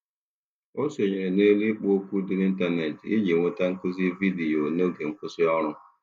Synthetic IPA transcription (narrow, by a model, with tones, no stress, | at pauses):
o˦so˨ɲe˨ɾe˨ne˦li˦k͡po˦o˦kʷu˦dʊ˦ni˦n̩˦ta˨ne˨ti˦ɲe˨ŋʷe˦ta˦ŋ̩˦kʊ˦zi˦vi˦di˨o˨no˦ɡe˨ŋ̩˦kʊ˦sɪ˦ɔ˦ɾʊ˦